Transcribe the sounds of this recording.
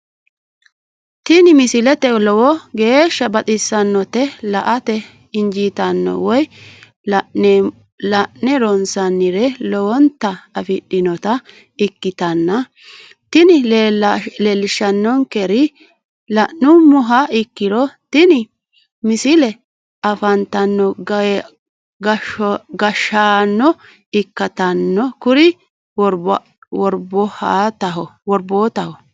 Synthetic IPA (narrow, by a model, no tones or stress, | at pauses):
t̪ɪnɪmɪsɪlɛt̪ɛlɔwɔɡe̞ːʃːɐbɐt̪ʼɪsːɐnːɔt̪ɛlɐʔɐt̪ɛ | ɪnd͡ʒit̪ɐnːɔ̰wɔj | lɐʔnɛɾɔnsɐnːɪɾɛlɔwɔnt̪ːɐɐfɪɗːɪnɔt̪ɐ | ɪkːɪt̪ɐnːɐ | t̪ɪnɪ | leːlːɪʃɐnːɔŋkɛɾɪ | lɐʔːʊmɔɦɐɪkːɪɾɔt̪ɪnɪ | mɪsɪlɛ | ɐfɐnt̪ɐnːɔ | ɐɡɐʃaːnːɔ | ɪkːɐt̪ɐnːɔkʊɾɪ | wɔ | wɔɾbɔhaːt̪ɐɦɔwɔɾboːt̪ɐhɔ